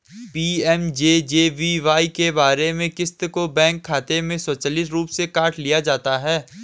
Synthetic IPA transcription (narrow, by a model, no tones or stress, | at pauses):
piːɛmd͡ʒeːd͡ʒeːʋiʋaːikebaːɾemẽkɪst̪kobɛ̃ːŋkʰːaːt̪emẽsɔːt͡ʃaːliːsɾuːpsekaːʈʰlijad͡ʒaːt̪aɦɛː